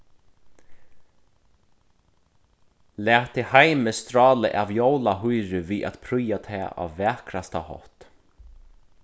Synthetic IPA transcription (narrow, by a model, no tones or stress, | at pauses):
læːt̪ʰɪhajməst̪ɾɑːlə̰ʔavjowlaɦujɾɪviːʔa̰t̪pʰɾʊjat̪ʰɛːa̰ːʋːɛːkʰɾast̪ahɔ̰ht̪